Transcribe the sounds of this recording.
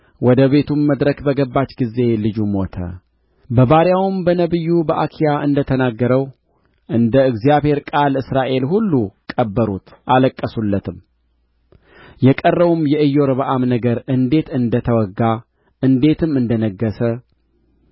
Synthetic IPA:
wɔd̪əβe̞t̪ʰumːəd̪ɾəkbəɡəbːat͡ʃɡize̞lɨd͡ʒumo̞t̪ʰə̰ | bəβaɾjawmbənəβɨjːubəʔakʰijaɨnd̪ət̪ʰənaɡːəɾəw | ʔɨnd̪əɨɡzijaβhe̞ɾkʼalɨsɾaʔe̞lɦulːukʼəbːəɾut̪ʔaləkʼːəsulːət̪ʰɨm | jɛkʼərːəβumjɛʔɨjːo̞ɾβəʔamnəɡəɾʔɨnd̪e̞t̪ɨnd̪ət̪ʰəwɔɡːa | ʔɨnd̪e̞t̪ʰɨmɨnd̪ənəɡːəsə

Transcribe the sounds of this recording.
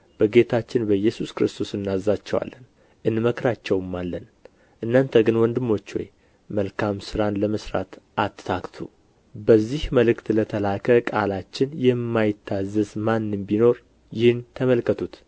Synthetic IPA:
b̥əɡe̞t̪ʰat͡ʃːɪnbəjɛsuskɾɨst̪ʰo̞sɨnːazːat͡ʃːɛwa̰lːən | ʔɨnməkɾat͡ʃːɛwmːalːən | ʔɨnːant̪ʰəɡɨnwɔnd̪ɨmːo̞t͡ʃːwɔ̰j | məlkʰamsɨɾanləməsɾa̰t̪at̪t̪ʰakt̪ʰu | bəzːihməlɨkt̪lət̪ʰəlakʰəkʼalat͡ʃːɪnjɛmːajɪt̪ʰːazːəsmanːɨmbino̞ɾ | jɪhɨnt̪ʰəməlkʰət̪ʰut̪

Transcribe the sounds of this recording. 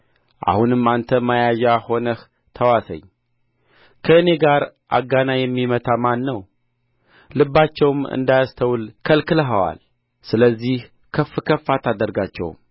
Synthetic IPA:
ʔa̰hunɨmːant̪ʰəmajajaho̞nəh | t̪ʰəwasə̰ɲː | kʰəɨne̞ɡaɾʔa̰ɡːanajɛmːimət̪ʰamanːəw | lɨbːat͡ʃːɛwmɨ̰nd̪ajast̪ʰəwlkʰəlkɨləɦəwa̰l | sɨləzːih | kʰəfːɨkʰəfːat̪ʰad̪əɾɡat͡ʃːɛ̰w̰m

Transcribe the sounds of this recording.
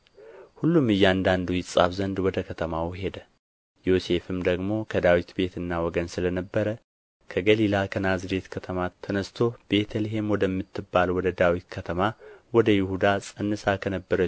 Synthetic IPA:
hulːumɨjːɛand̪and̪ujɪsʼa̰fzənd̪wɔd̪əkʰət̪ʰəmawɦe̞d̪ə | jo̞se̞fɨmd̪əɡmo̞kʰəd̪awit̪be̞t̪ɨnːawɔɡənsɨlənəbːəɾə | kʰəɡəlilakʰənazɨd̪e̞t̪kʰət̪ʰəmat̪ʰːənəst̪ʰo̞be̞t̪ʰəliɦe̞mwɔd̪əmːɨt̪ːɨbːalwɔd̪əd̪awit̪kʰət̪ʰəmawɔd̪əjɪhud̪asʼɨnːɨsakʰənəbːəɾə

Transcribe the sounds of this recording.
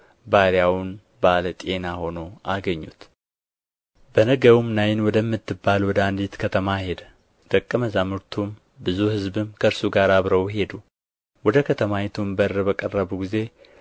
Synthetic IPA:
baɾjawʊn | balət̪ʼe̞naho̞no̞ʔaɡəɲːut̪ | b̥ənəɡəwumnajɪnwɔd̪əmːɨt̪ːɨbːalwɔd̪əand̪it̪kʰət̪ʰəmahe̞d̪ə | d̪̥əkʼːəməzamɨɾt̪ʰum | bɨzuhɨzbɨmkʰəɨɾsuɡaɾaβɾəwhe̞d̪u | wɔd̪əkʰət̪ʰəmajɛt̪ʰumbərːəbəkʼərːəβuɡize̞

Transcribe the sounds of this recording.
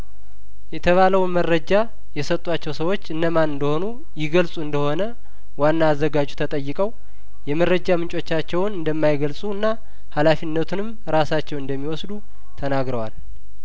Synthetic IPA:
jɛt̪ʰəβaləwmərːəd͡ʒa | jɛsət̪ʼːwat͡ʃːɛwsəwo̞t͡ʃːɨndəmanɨnd̪əho̞nu | jɪɡəlsʼuɨnd̪əho̞nə | wanːaːzːəɡad͡ʒut̪ʰət̪ʼəjːɪkʼəw | jɛmərːəd͡ʒamɨnt͡ʃʼo̞t͡ʃːat͡ʃːɛwnɨnd̪əmːajɡəlsʼuɨnːa | halafinːət̪ʰunɨm | ɾasat͡ʃːɛwɨnd̪əmːiwɔsd̪u | t̪ʰənaɡɾəwal

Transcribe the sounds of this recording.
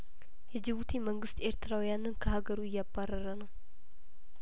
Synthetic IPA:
jɛd͡ʒɨβut̪ʰiməŋɡɨst̪e̞ɾt̪ʰɨɾawijanɨnkʰəhaɡəɾuɨjːabːarːəɾənəw

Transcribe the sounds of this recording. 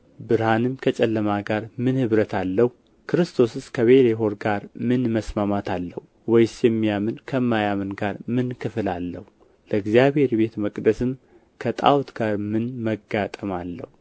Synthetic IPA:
bɨɾhanɨmkʰət͡ʃʼɛlːəmaɡaɾmɨnhɨβɾət̪ʰalːəhu | kʰɨɾɨst̪ʰo̞sɨskʰəβe̞leɦo̞ɾɡaɾmɨnməsmamat̪ʰalːəhu | wɔjsjɛmːijamɨnkʰəmːajamɨnɡaɾmɨnkʰɨfɨlalːəhu | ləɨɡzijaβhe̞ɾbe̞t̪məkʼd̪əsɨm | kʰət̪ʼa̰wt̪ɡaɾmɨnməɡat̪ʼəmalːə̰hu

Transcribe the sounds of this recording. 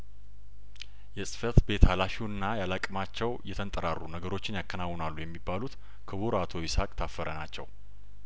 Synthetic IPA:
jɛsʼɨ̥fət̪be̞t̪alaʃiwnɨnːajalakʼmat͡ʃːɛwjɛt̪ʰənt̪ʼəɾarːunəɡəɾo̞t͡ʃːɪnjakʰːənawːnalːujɛmːibːalut̪ | kʰɨβuɾat̪ʰojɪsakʼt̪ʰafːəɾənat͡ʃːɛ̰w

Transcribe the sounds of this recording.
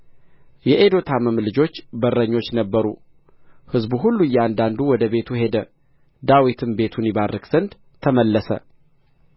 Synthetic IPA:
jɛʔed̪o̞t̪ʰaməmlɨd͡ʒo̞t͡ʃːbərːəɲːo̞t͡ʃːnəbːəɾṵ | hɨzbuɦulːujːɛand̪and̪uwɔd̪əbe̞t̪ʰuhe̞d̪ə | d̪awit̪ʰɨmbe̞t̪ʰunɪβarːɨkz̥ənd̪ | t̪ʰəməlːəsə̰

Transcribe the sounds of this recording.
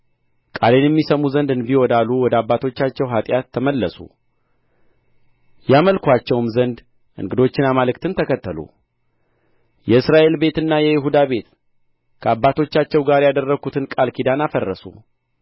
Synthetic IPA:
kʼa̰le̞njɛmːisəmuzənd̪ɨnbiwɔd̪aluwɔd̪əabːat̪ʰo̞t͡ʃːat͡ʃːɛwɦat̪ʼjat̪ʰːəməlːəsṵ | jaməlkʰʷat͡ʃːɛwmzənd̪ | ʔɨ̰ŋɡɨd̪o̞t͡ʃːɪnamalɨk̚t̪ʰɨnt̪ʰəkʰət̪ːəlṵ | jɛɨsɾaʔe̞lbe̞t̪ɨnːajɛjɪɦud̪aβe̞t̪ | kʰəabːat̪ʰo̞t͡ʃːat͡ʃːɛwɡaɾjad̪ərːəɡut̪ʰɨnkʼalkʰid̪anafərːəsṵ

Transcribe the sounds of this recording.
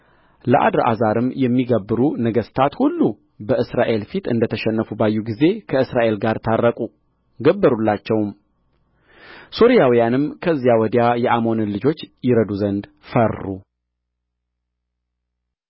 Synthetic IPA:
ləʔa̰d̪ɾʔa̰zaɾɨmjɛmːiɡəbːɨɾunəɡəst̪ʰat̪hulːu | bəɨsɾaʔe̞lfit̪ɨ̰nd̪ət̪ʰəʃɛnːəfubajːuɡize̞kʰəɨsɾaʔe̞lɡaɾt̪ʰarːəkʼu | ɡəbːəɾulːat͡ʃːɛwm | so̞ɾijawijanɨmkʰəzːijawɔd̪jajɛʔamo̞nɨlɨd͡ʒo̞t͡ʃːjɪɾəd̪uzənd̪ | fərːu

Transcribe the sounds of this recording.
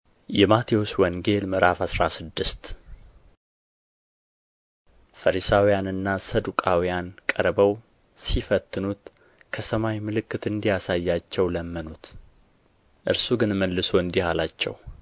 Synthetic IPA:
jɛmat̪ʰioswɔŋɡe̞lməɾafasɾasɨd̪ːɨst̪ | fəɾisawijanɨnːasəd̪ukʼawijankʼəɾbəw | sifət̪ːɨnut̪ | kʰəsəmajmɨlɨkːɨt̪ɨnd̪ijasajːat͡ʃːɛwləmːənut̪ | ʔɨɾsuɡɨnməlːɨso̞ɨnd̪ihalat͡ʃːɛ̰w

